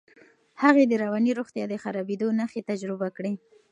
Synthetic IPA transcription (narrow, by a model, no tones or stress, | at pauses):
haɣed̪əɾawɑniɾoxt̪jɑd̪əxaɾabed̪onaxet̪ad͡ʒɾɪbakɽe